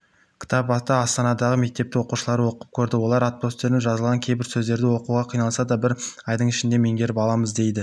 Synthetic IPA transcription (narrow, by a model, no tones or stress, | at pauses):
kʲʰɪ̥t̪ʰɑpɑt̪ɑɑst̪ɑnɑd̪ɑʁəme̞k̚t̪e̞p̚t̪ɪwoquʃəlˠɑɾəwo̞qəp̚kʲʰɵɾd̪ɪwo̞lˠɑɾat̪̚po̞st̪e̞ɾɪʒɑzəlˠʁɑŋkʲʰe̞jbɪɾsɵzd̪e̞ɾd̪ɪwo̞quʁɑqʰijnɑlˠsɑd̪ɑbɪɾɑjd̪əɴɪʃɪnd̪e̞me̞ŋɡʲe̞ɾɪpɑlˠɑməzd̪e̞jd̪ɪ